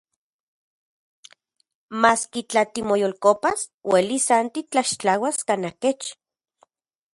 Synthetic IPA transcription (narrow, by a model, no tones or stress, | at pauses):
maːskit͡ɬat̪imojolkopaswʔelisant̪it͡ɬaʃt͡ɬawaskanaket͡ʃ